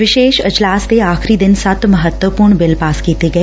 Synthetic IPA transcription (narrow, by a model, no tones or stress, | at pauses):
ʋɪʃeːʃɐd͡ʒlaːst̪eaːxɾid̪ɪnsɐt̪mɐɦət̪wəpuːɾɳbɪlpaːskiːt̪eɡɐe